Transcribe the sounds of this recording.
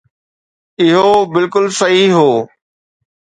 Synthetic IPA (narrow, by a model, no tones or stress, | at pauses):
ɪɦobɪlkʊlsɐɦiɦoː